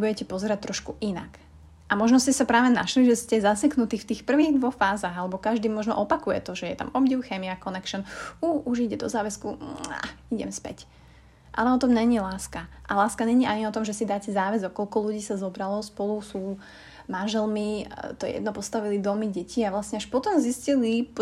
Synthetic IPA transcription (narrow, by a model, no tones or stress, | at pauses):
bujɛcɛpɔzɛɾac̚t̪ːɾɔʃkuʔina̰k | ʔamɔʒnɔscɛsapɾaːʋɛna̰ʃliʒɛscɛzasɛknut̪iːxft̪iːxpr̩ʋiːɣd̪ʋɔxfaːzaɣalɛbɔkaʒd̪iːmɔʒnɔ̰ʔɔpakujɛ̰t̪ɔʒɛjɛ̰t̪a̰mɔbɟiʊxɛːmiakɔnɛkʃɔnuʔuʒiɟɛd̪ɔ̰zaːʋɛskua̰iɟɛ̰mspɛ̰c | ʔa̰lɛɔt̪ɔmɲɛɲilaːskaʔalaːskaɲɛɲiʔaɲiɔt̪ɔmʒɛsid̪aːcɛzaːʋɛzɔkːɔlkɔluɟiːsazɔbɾalɔspɔlusuː | manʒɛlmit̪ɔjɛ̰jɛ̰d̪̚nɔpɔst̪aʋilid̪ɔmiɟɛciːaʋlasɲɛaʃpɔt̪ɔmziscili